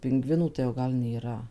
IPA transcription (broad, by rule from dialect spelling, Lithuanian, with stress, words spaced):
pʲɪŋˈɡʋʲɪnuː tɐɪ jɛʊ ˈɡɐlˠ nʲeːˈrɐ